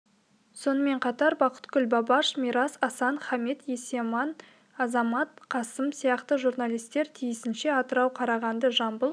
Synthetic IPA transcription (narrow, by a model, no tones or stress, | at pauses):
so̞nəme̞ɴqʰɑt̪ɑɾbɑqə̥t̪kʲʏlʲbɑbɑʃmijɾɑsɑsɑnχɑmet̪jesemɑn | ɑzɑmɑt̪qʰɑsəmsijɑqt̪əʒuɾnɑlijst̪e̞ɾt̪ʰijɪsɪnʃe̞ɑt̪əɾɑwqʰɑɾɑʁɑnd̪əʒɑmbəlˠ